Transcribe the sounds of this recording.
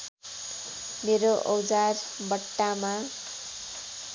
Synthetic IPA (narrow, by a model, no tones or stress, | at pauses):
meɾoʔʌwd͡zarbʌʈːama